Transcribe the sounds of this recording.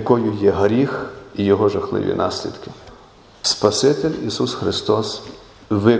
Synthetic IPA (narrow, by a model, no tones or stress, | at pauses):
kɔjʊjɛɦɾʲixijɔɦɔʒɐxlˠɪ̰ʋʲḭnʔɑ̰sʲlʲḭd̪̥kɪ̥ | spɐsɪt̪elʲisusxɾɪst̪ɔs | ʋɪ